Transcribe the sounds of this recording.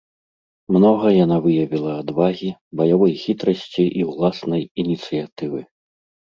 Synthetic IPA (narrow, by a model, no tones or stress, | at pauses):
mnɔɣɐjanavɨjɐvʲilˠɐːd̪vaɣʲibɐjavɔjxʲit̪ɾɐsʲt͡sʲiʔiwlˠasnɐjinʲit̪sɨjat̪ɨvɨ